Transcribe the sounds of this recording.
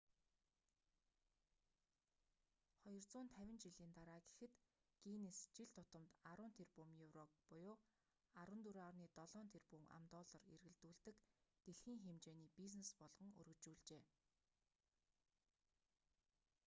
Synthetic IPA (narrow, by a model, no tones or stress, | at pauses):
χɔjɞ̆rt͡sʊːnt̪ʰæwʲɪ̆nt͡ɕiɮiːnt̪aɾaːɡe̥xɘ̆t̪ | ɡ̥inest͡ɕiɮt̪ʰʊt̪ə̆mt̪aɾʊːnt̪ʰerpumjuwrɔk̚pʊjʊː | aɾwə̆nt̪uɾawniːt̪ɔɮɔːnt̪ʰerpuma̰mt̪ɔːɮɞ̆rḛrɣɘ̆ɮt̪uːɮt̪ɘ̆kt̪eɮxiːŋxemt͡ɕeːniːpis̬nespɔɮʁɞ̆ŋɵ̰rɣɵ̆t͡ɕuːɮt͡ɕeː